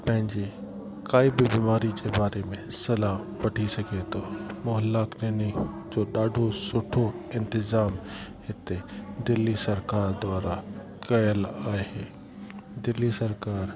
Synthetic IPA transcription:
pɐ̃ɦɪ̃ɲd͡ʑe | kaːibɪbiːmaːɾid͡ʑebaːɾemẽsɐlapɐʈʰisɐɡʱet̪ʰomʊɦəlːaːkɾeːnid͡ʑoːɗaːɖʱosʊʈʰoɪ̃nt̪ɪzaːmhɪt̪ed̪ɪlːisɐɾkaːɾd̪waːɾa | kɐjəlaːɦeː | d̪ɪlːisɐɾkaːɾ

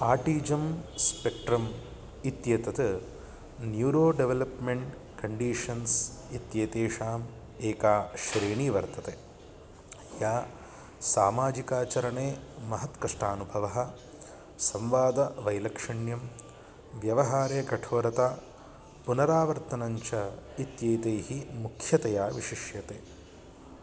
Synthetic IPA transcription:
aːʈiːd͡ʒɐmspek̚ʈɾɐm | it̪jeːt̪ɐt̪ɨ | njuːɾoːɖeʋelɐpmeɳʈ | kɐɳɖiːʂɐnsit̪jeːt̪eːʂaːm | eːkaːʃɾeːɳiːʋɐɾt̪ɐt̪e | jaː | saːmaːd͡ʒikaːt͡ʃɐɾɐɳeːmɐɦɐt̪kɐʂʈaːnubʱɐʋɐɦɐ̆ | sɐmʋaːd̪ɐʋɐjlɐkʂɐɳjɐm | ʋjɐʋɐɦaːɾeːɡɐʈʰoːɾɐt̪aː | punɐɾaːʋɐɾt̪ɐnɐɲt͡ʃɐit̪jeːt̪eːhimukʰjɐt̪ɐjaːʋiʃiʃjɐt̪eː

